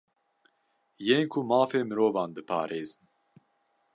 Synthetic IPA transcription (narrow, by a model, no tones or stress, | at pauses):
jeːnkʰumaːfeːmɨɾoːvɑːnd̪ɨpʰɑ̰ːɾeːzɨn